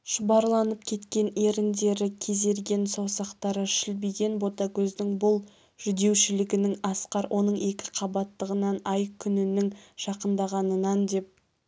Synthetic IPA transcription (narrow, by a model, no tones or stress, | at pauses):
ʃʊbɑɾlˠɑnəpkʲʰe̞t̪kʲe̞ne̞ɾɪnd̪e̞ɾɪkʲʰe̞ze̞ɾɡʲe̞nsowsɑqt̪ɑɾəʃɪlbijɡʲe̞nbo̞t̪ɑkʲʰɵznɪŋbʊlˠ | ʒ̥ʏd̪e̞wʃɪlɪɡʲɪnɪŋɑsqɑɾwʔo̞nəɴe̞kʲɪ̥qʰɑbɑt̪ːəʁənɑnɑjkʲʰʏnɪnɪŋʒ̥ɑqənd̪ɑʁɑnənɑnd̪e̞p̚